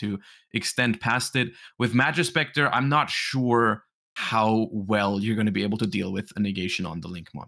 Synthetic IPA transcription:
ɨ | ʔɨkstɛ̃npʰæstɪt̚wɨðmæd͡ʒɨspɛk̚tə˞ʔã̰ɪ̃mnətʃuɹ | haʊwɛlˠjə˞ɡʌ̃ñɨbieɪbl̩ˠtʰɨdḭlˠwɪðɨnɨɡeɪʃɨ̃nə̰̃nðəlɪ̃ŋkmɑ̰

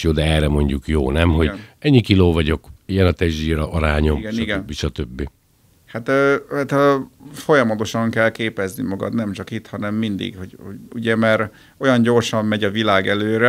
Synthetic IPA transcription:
joːd̪ɛɛːrɛmo̞ɲɟukjo̰ːnɛmɦo̞ɟ̪ɛɲːikiloːvɒɟo̞kijɛnɒt̪ɛʒʒiːɾɒʔɒɾaːɲo̞mɡnʃiɡɛnbːiʃɒt̪øbːi | hat̪øhat̪ːfo̞jɒmɒt̪o̞ʃɒŋkɛlkeːpɛznimɒɡɒ̰t̪nɛmt͡ʃɒkit̪hɒnɛmːind̪ḭɡho̞ɟhouɟɛmɛɾ | o̞jɒɲɟo̞rʃɒmːɛɟɒvilaːɡɛløːɾɛ

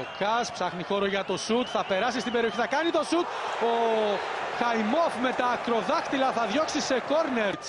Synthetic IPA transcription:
okɐspsɐxnixo̞ɾoʝɐt̪o̞sut̪θɐpe̞ɾɐsist̪ibe̞ɾio̞çiθɐkɐnit̪o̞sut̪̚o | xɐjmo̞fme̞t̪ɐːkɾo̞ðɐxt̪ilɐθɐðʝo̞ksise̞ko̞ɾneɾ

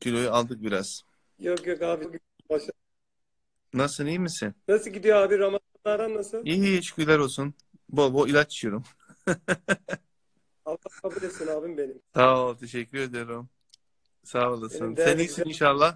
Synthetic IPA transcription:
kʰylʲojualˠd̪ɯk̚biɾaz̥ | jokjokaːviɡi | baʃa | nasɯnijmisɪnnasɯɟid̪ijoaːbiɾamazanlˠaɾd̪anːasɯlˠiːʃkʰyjlʲˠaɾolˠsun | bobuilʲat͡ʃʰːt͡ʃʰɯjo̞ɾum | alakabulʲesinaːbimbenimsaot̪ʰe̞ʃɛcʰːyɾe̞d̪ijoɾum | savalˠɯsɯnsænijsininʃalˠːah

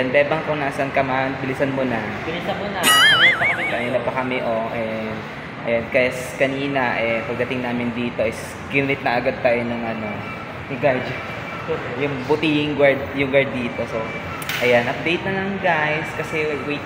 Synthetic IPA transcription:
nbɛːbɐŋakoŋnaːsɐnkɐmanbɪlɪsɐnmonɐ | bɪlisɐmonaɐɐkɐniːnɐpɐkɐmɛʔo̞ʔɛ | ʔɐ̰jankɐjskɐniːnɐʔɛpɐɡ̚d̪ɐt̪ɪŋnaːmɪnd̪iːt̪o̞ʔɪs | ɡɪnnɪt̪̚nɐʔɐɡad̪̚t̪aːjonɐŋʔɐno̞ | ɪɡad͡ʒ | jʊŋbʊt̪iːɪŋɡwaɹd̪̚jʊŋɡaɹd̪̚ːiːt̪o̞so̞ | ʔɐjanʔɐp̚d̪ejt̪̚nɐlɐŋɡajskɐsɛwej̪

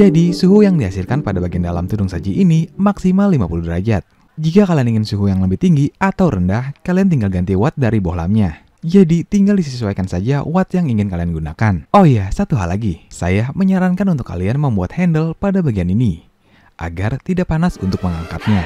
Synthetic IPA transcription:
d͡ʒadisuɦujaŋdiɦasilkanpadabaɡiandalamt̪udʊŋsad͡ʒiʔinimaksimalːimapuludəɾa̰d͡ʒat̪̚ | d͡ʒikakalianiŋɪnsuɦujaŋləbɪht̪iŋɡiat̪awɾəndahkaliant̪iŋɡalɡant̪iwat̪̚daɾibohla̰mɲa | d͡ʒadit̪iŋɡaldisəsəsuwajkansad͡ʒawat̪jaŋiŋɪnkalianɡuna̰kanohjasat̪uɦa̰lːaɡisa̰jahməɲaɾankanunt̪̬ʊ̥kːa̰lianməmbuat̪̚hɛndəlpadabaɡianini | ʔa̰ɡart̪idaʔpanasunt̪ʊk̚məŋaŋka̰t̪̚ɲa

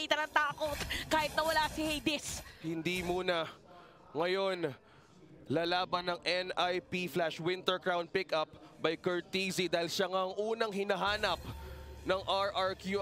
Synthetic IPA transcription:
iːt̪ɐnɐŋt̪aːkot̪kaːhɪt̪nɐwɐlasɪhejd̪ɪshɪnd̪imuːnɐ | ŋɐjo̞n | laːlaːbɐnɐŋʔɛnajpiflaʃwɪnt̪ɛɹkɹawnd̪̚pɪkʔɐp̚bɐjkɛɹt̪izid̪aːhɪlʃaŋaʔɐŋʔuːnɐŋɦɪnɐɦaːnɐp̚nɐŋʔaɹʔɐɹkju

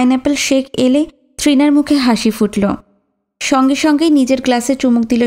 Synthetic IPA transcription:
jnɛpelʃekʰele | t̪ʰɾinaɾmukʰeɦaʃifuʈlo | ʃɔŋɡeʃɔŋɡenid͡ʑeɾɡlaset͡ɕumuk̚d̪ilo

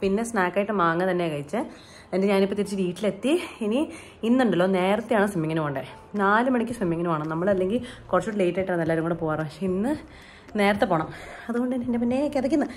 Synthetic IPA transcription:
pinːe̞snaːkːaːjiʈːɨmaːŋːɨt̪ɐnːekɐɻit͡ɕːɨ | endeɲaːnipːot̪iɾit͡ɕːɨʋiːʈːilet̪ːiini | inːuɳɖɐlːo̞ːne̞ːɾɐt̪ːejaːɳɨsʋemːiŋːɐnumuɳɖɨ | naːlɨmɐɳikʲːɨsʋemːiŋːɐnumaːɳɨnɐmːɐɭɐlːe̞ŋɡilkurɐt͡ɕːuʈːɨle̞jtːaːjʈːaːɳnɐlːaːɾumŋːoːɽepoːjaːrɐmpɐkʂeinːɨ | ne̞ːɾɐt̪ːepoːɳɐmɐðuko̞ɳɖɨenendepinːeokːeðɐk̬ʲːunːɨ

